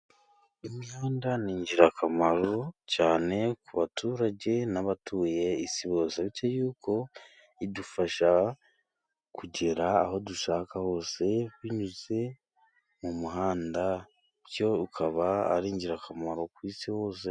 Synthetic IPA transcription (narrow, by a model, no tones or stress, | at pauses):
imjaːndaniːɲɟiɾakʰamaɾo̞caːne̞kuβatʰuːɾaɟe̞naβatʰuːje̞isiβo̞ːseβicojuːko̞ | idufaʃa | kuɟe̞ɾaːho̞duʃaːkaho̞ːse̞wiɲuze̞ | mumuɦaːnda | ɾjo̞ukʰaβa̰ːɾiːɲɟiɾakamaɾo̞kwiːsiho̞ːse̞